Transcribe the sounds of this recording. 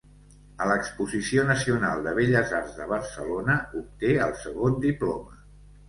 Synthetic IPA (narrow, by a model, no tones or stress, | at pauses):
ələkspuzisionəsiuna̰lˠd̪əβ̞eʎəzarzðəβ̞ərsəlonəup̚t̪eəlˠsəɣond̪iplɔmə